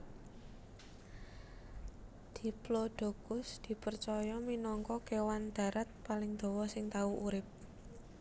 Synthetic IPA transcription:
d̪̥i̤ploɖ̪̥o̤kʊsd̪̥i̤pərt͡ʃɔjɔminɔŋkɔkewand̪̥ä̤ɾat̪̚palɪŋd̪̥o̤wɔsɪŋt̪auʔuɾɪp̚

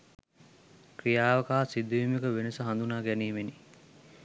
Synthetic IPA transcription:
kɾijaːʋəkaːsid̪uimikəʋenəsəɦand̪unaːɡæniːmeni

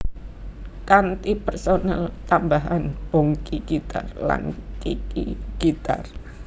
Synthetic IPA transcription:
kant̪ipərsonalt̪ambaɦanbɔŋkiɡit̪a̰rla̰ŋkikiɡ̥it̪a̰r

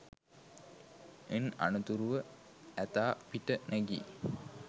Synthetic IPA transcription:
ena̰nut̪uɾuʋə | æt̪aːpiʈənæɡḭ

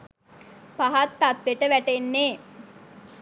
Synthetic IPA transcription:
paɦat̪ːat̪ʋeʈəʋæʈenːeː

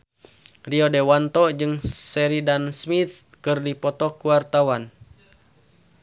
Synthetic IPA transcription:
riɔdewant̪ɔd͡ʒɨŋsɛɾidansmit̪̚ | kɨrdipɔt̪ɔkuwart̪awan

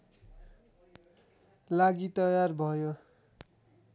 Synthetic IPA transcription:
laɡit̪ʌjarbʱʌjo

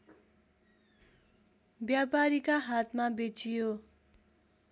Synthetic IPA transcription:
bjapaɾikaɦat̪mabet͡sijo

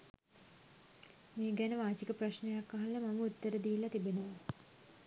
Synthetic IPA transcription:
meːɡænəʋaːt͡ʃikəpraʃnejakːaɦaləmaməut̪ːəɾəd̪iːlːat̪ibenəʋə

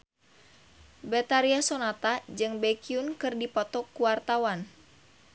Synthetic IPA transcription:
bɛt̪aɾiasɔnat̪ad͡ʒɨŋbɛkiunkɨrdipɔt̪ɔkːuwart̪awan

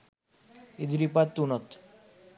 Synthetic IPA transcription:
id̪ɾipat̪ːunɔt̪

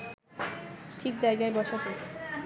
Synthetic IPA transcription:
ʈʰik̚d͡ʑajɡaebɔʃʰat̪o

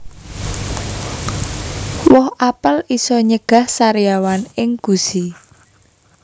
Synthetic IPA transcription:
wɔhʔapəlisɔɲəɡ̥a̤hsaɾijawanɪŋɡ̥usi

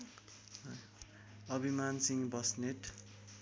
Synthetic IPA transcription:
ʌbʱimansiŋbʌsneʈ

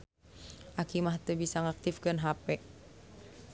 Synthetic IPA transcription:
ʔakimaht̪əbisaŋak̚t̪ifkɨnɦapɛ

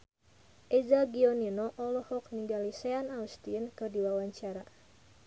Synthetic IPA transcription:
ʔɛzaɡiɔninɔʔɔlɔhɔk̚niŋɡalisɛanaust̪iənkɨrdiwawaɲt͡ʃaɾa

